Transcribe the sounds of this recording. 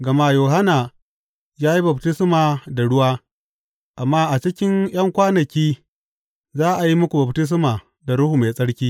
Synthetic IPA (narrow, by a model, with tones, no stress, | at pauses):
ɡɐ˨maː˦˨joː˨ɦa˦na˨ | jaː˦ji˦bɐ˨btɪ˦smaː˨da˨ɽʊ˦waː˦ | ʔa˨mːaː˦ʔa˨t͡ʃɪ˦kʲɪ˦ŋj̰ɐ˦ŋkʷaː˦nɐ˨kʲiː˦ | zaː˦ʔa˨ji˦mʊ˦kʷu˨bɐ˨btɪ˦s̬maː˨ | da˨ɽʊ˦huː˨ma˨sʼɐ˦ɽkʲiː˦